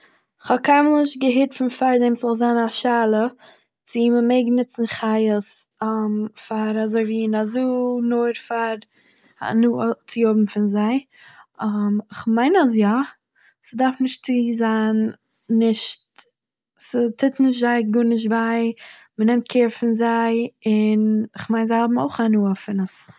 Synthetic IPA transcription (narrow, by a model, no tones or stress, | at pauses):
ɪχhɔkʰaɪmlˠɪʃt̚ɡəɦɪɾtfɪnfaɾdɛmszɔlˠzanaʃaːlˠə | t͡sɪməmeɪɡənɪt͡sn̩χaɪəs | amfaɾazoɪviːnazuːnoːɾfaɾ̰ | nut͡sɪjʊbm̩fɪnzaɪ | amɪχmaɪnas̬ja | sədaɾfnɪʃtt͡siːzaːnː | ɪʃt | sətʰɪtnɪʃ̬tzaɪɡʊnɪʃ̬baɪ | mənɛmt̚kʰeːɾfɪnzaɪɪnɪχmaɪnzaɪhɔbm̩o̰ʊχanuːəfɪnəs